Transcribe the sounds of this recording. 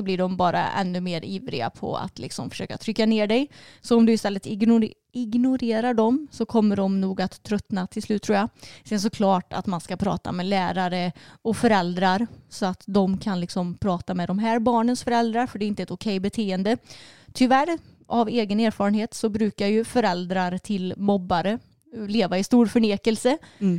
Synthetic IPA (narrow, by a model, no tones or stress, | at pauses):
sɔblɪɖɔmbɑːɾʔa̰ʔɛ̰nːɵmeːɾʔiːvɾɪ̰ɡa̰pʰɔ̰a̰t̪ʰlɪ̰ksɔ̰mfœ̥ʂø̰ːkat̪ʰɾʏkːaneːɖɛjsɔɔmd̪ɵɪst̪ɛlːət̪ɪ | ɪɡnʊɾeːɾaɖɔmsɔkʰɔmːəɖɔmnuːɡat̪ʰːɾœt̪nat̪ʰɪlslʉ̟ːt̪ʰːuːjasɛns̬ɔkʰlɑːʈa̰t̪manskapʰɾɑ̰ːt̪a̰mɛlæːɾaɾəɔkfœɾɛld̪ɾaɾsɔat̪d̪ɔmkʰanlɪksɔmpʰɾɑːt̪amɛd̪ɔmɦæːɾbɑːɳənsfœɾɛld̪ɾaɾfœɖɛɪnt̪əɛt̪ʊkʰɛjbɛt̪ʰeːənd̪ət̪ʰʏvæɾ | ʔaveːɡəneːɾfɑːɾənheːt̪sɔbɾʉ̟ːkajɵfœɾɛld̪ɾaɾt̪ʰɪlmɔbːaɾə | leːvaɪst̪uːɾfœɳeːkəlsə